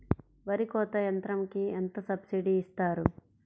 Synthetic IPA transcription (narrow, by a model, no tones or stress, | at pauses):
ʋɐɾikɔːt̪ɐjɐnt̪ɾɐmkient̪ɐsɐbsiɖiːst̪aːɾu